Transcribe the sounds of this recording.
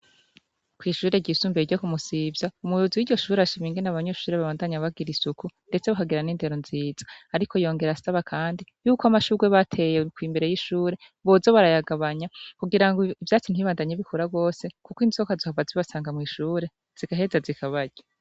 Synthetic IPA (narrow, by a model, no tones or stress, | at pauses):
kwiːʃuːɾe̞ɟisuːmbeiɟokumusivjaumujuziwiɾɟo̞ʃuːɾeaʃimiːŋɡenaβaɲeʃuːɾeβaβaːndaɲaβaɡiɾisukunde̞t͡se̞βakaɡeɾaniːnde̞ɾo̞nziːz̥ḁaɾikʰo̞jo̞ːŋɡe̞ɾasaβakʰaːndijuːkoamaʃuɡweβatʰe̞jekwiːmbe̞ɾe̞jiʃuːɾe̞ | βo̞zo̞βaɾajaɡaβaɲakuɡiɾaŋɡoivjaːt͡sin̥iβaːndaɲeβikʰoɾaɡo̞ːse̞kukoinizokazohavaziβasaːŋɡamŋiːʃuːɾe̞ | z̥iɡaɦe̞zazikʰaβaɟa